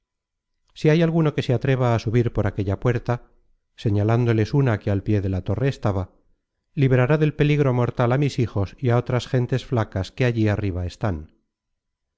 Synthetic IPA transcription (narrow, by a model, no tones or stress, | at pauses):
siajalɣuno̞ke̞seat̪ɾe̞β̞aːsuβ̞iɾpo̞ɾake̞ʎapwe̞ɾt̪a | se̞ɲaland̪o̞le̞sunakealpje̞ðe̞lat̪o̞re̞ːst̪aβa | liβeɾaɾaðe̞lpe̞liɣɾo̞mo̞ɾt̪alamisixo̞siao̞t̪ɾasxe̞nt̪e̞sflakaske̞aʝiariβ̞aest̪an